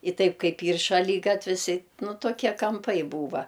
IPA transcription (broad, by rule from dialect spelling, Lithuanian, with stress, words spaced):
ɪ ˈtɐɪp ˈkɐɪp ˈiːr ʃɐˈlʲiːɡɐtʲʋʲɪs ɪ ˈnʊ toːˈkʲiɛ kɐmˈpɐɪ ˈbuːʋɐ